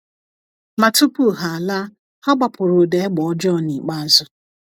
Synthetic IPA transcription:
ma˨tu˦pu˦˨ɦa˨a˨la˦ | ha˦ɡ͡ba˨pʊ˨ɾʊ˨de˨˦ɡ͡bɔ˨˦d͡ʒɔ˦˨ni˨k͡pa˦zʊ˦

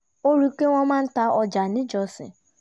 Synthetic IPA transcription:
o˦ɾu˦ke˦ŋʷɔ˦ma˦n̩˦ta˦ɔ˦d͡ʒa˨nɪ˦d͡ʒɔ˦sɪ̰˨

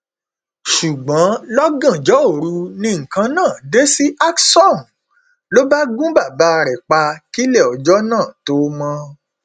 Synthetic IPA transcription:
ʃu˨ɡ͡bɔ̃˨˦lɔ˦ɡã˦˨d͡ʒɔ˨˦o˦˨ɾu˧nĩ˧ŋ̩˨kã˧nãː˦˨de˦si˦ʔa˦ksɔ˦˨m | lo˦ba˦ɡũ˦ba˦˨ba˨˦˧ɾɛ˨k͡pa˧ki˦lɛ˦˨ɔ˨d͡ʒɔ˦nãː˦˨to˨˦mɔ̃˧

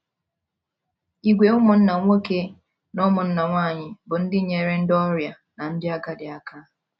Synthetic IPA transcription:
i˨ɡʷe˨ʊ˦mʊ˨n̩˦na˨ŋʷo˦ke˦ | nɔ˦mʊ˨n̩˦na˨ŋʷaː˦˨ɲɪ˨bʊ˨n̩˦dɪ˦ɲe˨ɾe˦n̩˦dɔ˦ɾja˨ | na˨n̩˦dɪ˦a˦ka˦dɪ˨a˨ka˦

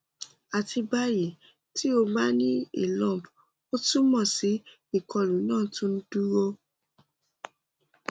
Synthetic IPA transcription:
a˨ti˧ba˧ɾi˨ | tʰi˦o˧ba˦nĩ˦ḭ˦˨lɔ̃˨p | o˦tũ˦mɔ̃˦˨si˨˦ | i˦˨kʰɔ˧lũ˨˦nãː˦˨tũ˦n̩˦du˦ɾo˧

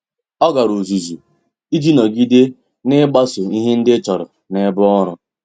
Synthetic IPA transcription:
ɔ˦ɡa˨ɾu˨zu˨zu˨ | i˦d͡ʒi˦nɔ˨ɡi˦de˦ | nɪ˦ɡ͡ba˦sʊ˨i˦ɦe˦n̩˦dɪ˦t͡ʃɔ˨ɾʊ˨ | ne˨˦bʊ˦ɔ˦ɾʊ˦

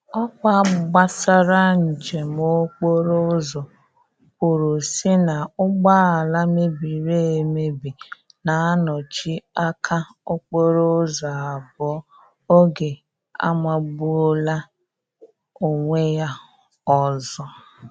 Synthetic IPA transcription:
ɔ˦kʷa˦ɡ͡ba˦sa˦ɾa˦n̩˨d͡ʒe˨m˦o˦k͡po˦ɾo˦zɔ˨ | kʷʊ˨ɾo˨si˦na˨ʊ˦ɡ͡ba˦a˨la˦me˦bi˨ɾe˦˨e˨me˦bi˨ | na˨a˦nɔ˨t͡ʃi˦a˦kʰa˦ | o˦k͡po˦ɾo˦zɔ˨a˨bɔ˨˦ | o˦ɡe˨ | a̰˦ma˨bu˦la˦ | o˨ŋʷe˦ja˦ | ɔ˨zɔ˦

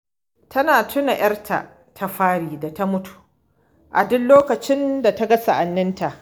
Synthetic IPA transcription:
tʰɐ˦naː˨tʰʊ˦na˨j̰ɐ˦rtʰa̰˨ʔ | tʰa˦ɸaː˦ɽiː˨da˨ta˦mʊ˦tʰu̥˨ | ʔa̰˨dʊ˦nloː˦kɐ˨t͡ʃɪ˦nda˨ta˦ɡɐ˦sa˨ʔa˨nːɪ˦nta˨ʔ

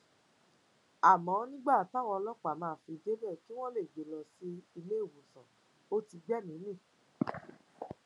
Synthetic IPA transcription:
a˨mɔ̃˨˦nĩ˦ɡ͡ba˦˨ta˦˨w̃ɔ̃˧lɔ˦k͡pa˨mãː˧˨˦fi˧de˦bɛ˦˨ki˦w̃ɔ̃˦le˦˨ɡ͡be˨˦lɔ˨si˧i˧le˦o˦˨wõ˨sɔ̃˨ | o˦ti˧ɡ͡bɛ˦˨nĩ˨˦nĩ˦˨

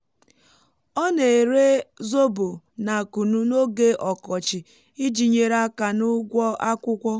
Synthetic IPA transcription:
ɔ˦ne˨e˨ɾe˦zo˦bo˨ | na˨ku˨nu˦no˦ɡe˦ʔɔ˨kɔ˨t͡ʃɪ˨ | i˦d͡ʒi˨ɲe˨ɾa˦ka˨nʊ˦ɡʷɔ˦ʔa˦kʷʊ˦kʷɔ˦

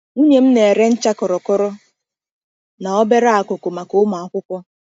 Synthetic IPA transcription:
u˦ɲe˨m̩˦ne˨e˨ɾe˦n̩˦t͡ʃa˦kɔ˨ɾɔ˨kɔ˦ɾɔ˦ | na˨ɔ˦be˦ɾa˦a˨ko˨ko˨ma˨ko˦ma˨ɔ˨kʷʊ˦kʷɔ˦

